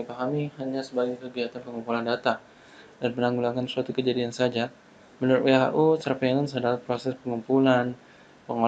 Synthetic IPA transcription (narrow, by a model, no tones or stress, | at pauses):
ipaɦamihaɲasəbaɡakəɡiat̪anpəŋumpulandat̪a | danmənaŋɡulaŋansuat̪ukəd͡ʒadiansad͡ʒa | mənɾt̪weɦa̰ʔusərpanansadalapɾosɛspəŋumpulan | pəŋo